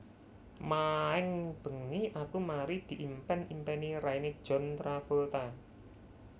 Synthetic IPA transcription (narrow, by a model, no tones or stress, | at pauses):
maɛŋb̥ə̤ŋiʔakumaɾid̪̥i̤ʔimpɛnimpɛniɾained̥ʒ̥ɔ̤nt̪ɾafult̪a